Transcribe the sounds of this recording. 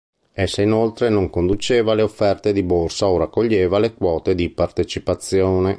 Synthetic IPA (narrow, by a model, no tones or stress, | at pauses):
esːainolt̪ɾenoŋkond̪ut͡ʃeːvaleofːɛrt̪ed̪iborsaoɾakːoʎːeːvalekwɔːt̪ed̪ipart̪et͡ʃipat̪sːjoːne